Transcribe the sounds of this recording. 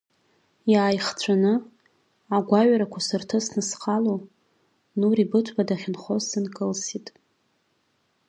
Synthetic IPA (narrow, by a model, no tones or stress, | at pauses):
jaːjχt͡ɕʷʰanɨ | aɡʷaɥɾakʷʰasɨrtʰɨsnɨsqʰalo | nuribɨtʷʰbadaχʲɪnχozsɨnkʼɨlsitʼ